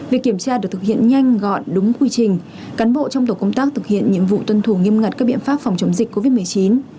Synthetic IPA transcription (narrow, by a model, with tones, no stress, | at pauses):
vi˨˩k̚ːi˧˩əmt͡ɕaː˧ɗɨ˨˩t̪ɨ˨˩hḭ˧˨ə˨nɲa˧jŋ̟ɣɔ̰˧˨jɗʊ˨˦ŋ͡mkwi˧t͡ɕï˨˩ŋ̟ | kaː˨˦nɓo̰˧˨t͡ɕɔ˧wŋ͡mt̪o˨˩kə˧wŋ͡mt̪aː˦˥k̚t̪ʰɨ˨˩k̚hḭ˧˨ənɲɨ̰˧˥ŋvṵ˧˨t̪wə˧nt̪ʰu˧˩ŋi˧əmŋa˨˩t̚kaː˦˥k̚ɓḭ˧˨ənfaː˦˥p̚fwŋ͡mt͡ɕə˨˦ŋ͡mzï˨˩k̟̚ko˧vi˦˥t̚mɨ˨˩ə˩jt͡ɕi˨˦n